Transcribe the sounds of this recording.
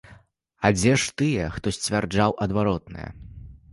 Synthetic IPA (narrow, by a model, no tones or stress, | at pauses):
ɐd͡zʲɛʂt̪ɨjɛxt̪ɔsʲt͡sʲvʲard͡ʐawʔɐd̪vaɾɔt̪̚nɨ̰jɛ̰